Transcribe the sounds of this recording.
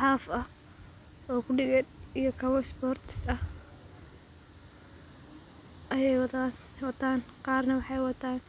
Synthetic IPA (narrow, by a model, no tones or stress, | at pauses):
ħɑːfɐ | ɔːkʰʊɖɪɣɛd̪ijɔkʰɐβɔspɔːrt̪ʰɪ̥st̪ɐ | ʔɐjɛjw̪ | wɑt̪ʰaːnqɑːrnɐwɑħɑjwɑt̪ʰaːn